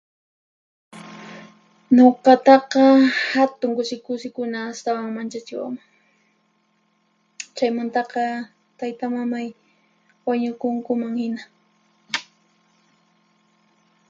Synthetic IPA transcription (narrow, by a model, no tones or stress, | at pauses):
ɲoqɑt̪ɑqɑhat̪ʊŋkʊsɪkʊsɪkʊnaːst̪awaŋmant͡ʃat͡ʃɪwa̰ma | t͡ʃajmant̪ɑqɑ | t̪ajt̪amamaj | waɲʊkʊŋkʊmaŋhɪna